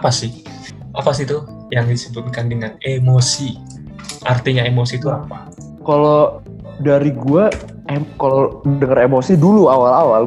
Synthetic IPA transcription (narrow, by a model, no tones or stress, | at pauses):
pasɪh | ʔapasit̪u | jaŋdisəbut̪̚kandəŋanemosi | ʔart̪iɲaemosit̪uapa | kalo | daɾiɡua | ekalodəŋəɾemosiduluawalawal